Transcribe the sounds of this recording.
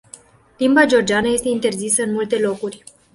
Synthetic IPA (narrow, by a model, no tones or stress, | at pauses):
limbad͡ʒeo̞rd͡ʒeanəje̞st̪e̞int̪e̞rzisəɨnmult̪e̞lo̞kurʲ